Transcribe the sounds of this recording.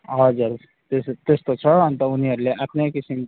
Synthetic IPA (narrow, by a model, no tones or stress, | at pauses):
ʌd͡ʒuɾ | t̪est̪est̪ot͡ʃʰʌɦənt̪ɔuniəɾleʔəpnekisim